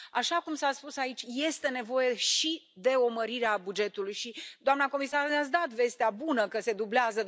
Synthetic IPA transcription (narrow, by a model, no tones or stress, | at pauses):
aʃakumsaspusait͡ʃʲje̞st̪e̞ne̞vo̞je̞ʃi | d̪e̞o̞məɾiɾeabud͡ʒe̞t̪ulujʃid̪oamnako̞misarneat̪s̬d̪at̪ve̞st̪eabunəkəse̞d̪ubleazə